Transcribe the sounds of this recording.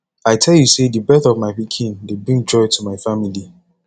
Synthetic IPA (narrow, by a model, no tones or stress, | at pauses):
aɪtʰɛlˠjusedibɛθɔvmaɪpikʰĩndebɹĩŋd͡ʒɔɪtʰumaɪfamili